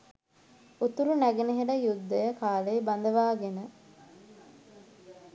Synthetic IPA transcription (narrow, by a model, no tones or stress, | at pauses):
ut̪uɾunæɡeneɦeɖəjud̪ːɐjəkaːleibɐnd̪əʋaːɡenə